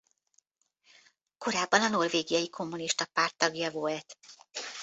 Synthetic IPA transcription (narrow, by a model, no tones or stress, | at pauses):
ko̞ɾaːbːɒnɒno̞rveːɡijɒjikʰo̞mːuniʃt̪ɒpaːrt̪ːɒɡjɒvolt̪